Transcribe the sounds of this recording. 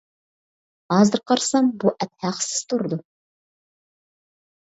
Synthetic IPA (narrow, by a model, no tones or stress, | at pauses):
hɑzɨɾqʰɑɾsɑmbuʔɛt̪̚hæqə̥sɪ̥z̥t̪ʰuɾɨd̪u